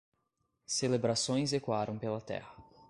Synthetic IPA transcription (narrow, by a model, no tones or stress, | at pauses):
selebɾasõj̃zekwaɾɐ̃w̃pelɐt̪ɛ̰hɐ